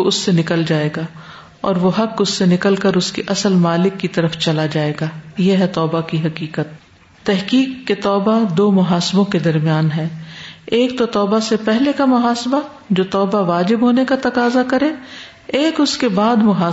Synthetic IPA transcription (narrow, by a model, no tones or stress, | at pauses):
ʊsːenɪkəld͡ʒaːeːɡaː | ɔ̰ːɾʋoɦɐkʊsːenɪkəlkəɾʊskiʔɐsəlmaːlɪkːit̪ɐɾəft͡ʃɐlad͡ʒaːeːɡaːjeɦɛt̪ɔːbakiɦɐkiːkət̪̚ː | ɛɦkiːkːet̪ɔːbad̪oːmʊɦaːsɪbõked̪ɐɾmijaːnɦɛːeːkt̪ot̪ɔːbasepɛɦlekamʊɦaːsba | d͡ʒoːt̪ɔːbaʋaːd͡ʒɪbɦoːnekat̪ɐkaːzakɐɾẽː | eːkʊskebaːd̪mʊɦaː